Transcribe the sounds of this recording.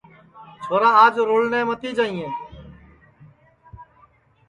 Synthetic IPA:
t͡ʃʰoːɾaːaːd͡ʒɾoːlnẽːmət̪iːd͡ʒaːĩːẽː

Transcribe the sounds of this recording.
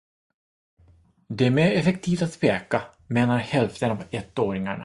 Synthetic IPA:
d̪ɛmeːɾɛfɛk̚t̪ʰiːft̪at̪speːka | meːnaɾhɛlft̪ənavɛt̪ːoːɾɪŋaɳa̰

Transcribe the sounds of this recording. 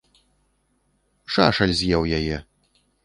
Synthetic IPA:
ʂaʂɐlʲzʲjɛwjajɛ

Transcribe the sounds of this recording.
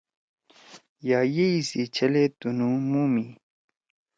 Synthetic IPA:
jaːjeisit͡ɕʰɐlet̪unumuːmi

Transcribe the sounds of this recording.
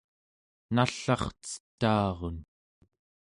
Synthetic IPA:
naɬɑχt͡sə̥t̪ːɑːʁon

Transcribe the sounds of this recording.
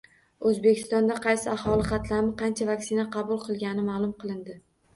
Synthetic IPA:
ɵzbekʲʰɪ̥st̪ɒnd̪aqʰɑjsɪahɒlˠɪqɑt̪laɾmɪqʰɑnt͡ʃʰavakʲsɪnaqʰɑbʊlˠqʰɨlˠɡʲanɪmaːlˠʊmqɨlˠɪnd̪ɪ

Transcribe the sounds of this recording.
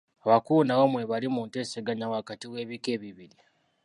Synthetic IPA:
aβakunawomweβalimuːnte̞ːseɡaɲawakatiwe̞ːβike̞ːβiβiɾi

